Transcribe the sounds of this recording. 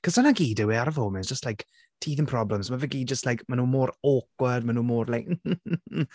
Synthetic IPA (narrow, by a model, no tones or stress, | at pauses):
kʰɔzanaɡiːdəwɛaɾəvomɛnsd͡ʒ̥əstlajk | tʰiːðənpʰrɔbləmzmavɛɡiːd͡ʒəstlajkmanuːmoːɾoːkwədmanuːmoːrlajk̩ː